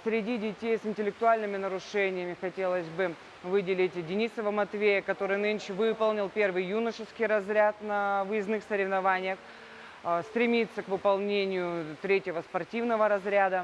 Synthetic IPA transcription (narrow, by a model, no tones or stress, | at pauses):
sʲɾʲɪdʲidʲɪtʲejsɪnʲtʲɪlʲɪk̚t̪ʊalʲnɨmʲɪnəɾʊʂɛnʲɪjəmʲɪxɐtʲe̞lˠəsʲbɨ | vɨdʲɪlʲɪtʲdʲɪnʲisəvəmɐt̪vʲejəkɐt̪o̞ɾɨjnɨnʲʂɪvɨpəlˠnʲɪlˠpʲe̞rvɨjːunəʂɨskʲɪjɾɐzɾʲat̪nɐvɨjɪznɨxsəɾʲɪvnɐvanʲɪjəx | st̪ɾʲɪmʲit̪sːəkvɨpɐlˠnʲenʲɪjʊt̪ɾʲetʲjɪvəspɐrtʲivnəvəɾɐzɾʲad̪ə